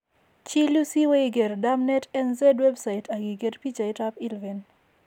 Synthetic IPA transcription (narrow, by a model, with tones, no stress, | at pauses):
t͡ʃi˦lu˦si˦we˦i˦ɡe˨ɾda˦mnɛ˦tɛ˦nzɛ˦dwɛ˦bsa˨i˨tʰa˨ɡi˨ɡe˦ɾpi˦t͡ʃa˨ɪ˦ta˦pi˦lvɛ˨n